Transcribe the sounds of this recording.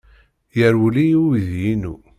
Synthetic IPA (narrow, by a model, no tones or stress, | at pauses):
jəɾwlijuðjinṵ